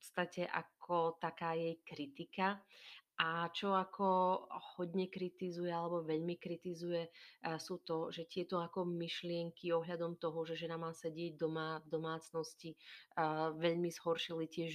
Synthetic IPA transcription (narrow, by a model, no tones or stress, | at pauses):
pɔt̪st̪acɛʔa̰kʰɔt̪akaːjɛjkɾit̪ika | at͡ʃɔakʰɔhɔdɲɛkɾit̪izujɛalɛbɔʋɛʎmikɾit̪izujɛsuːt̪ɔʒɛt̪ɪɛt̪ɔakɔmiʃlɪɛŋkiɔɦʎad̪ɔmt̪ɔɦɔʒɛʒɛnamaːsɛɟɪɛɟ̚d̪ɔmavd̪ɔmaːt͡snɔsci | ʋɛʎmiz̥ɦɔɾʃilicɪɛʒ